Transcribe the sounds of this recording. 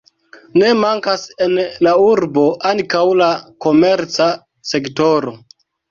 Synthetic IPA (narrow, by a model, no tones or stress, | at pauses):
ne̞maŋkasenlauɾbo̞ʔaŋkawlako̞me̞ɾt͡sa | se̞kto̞ɾo̞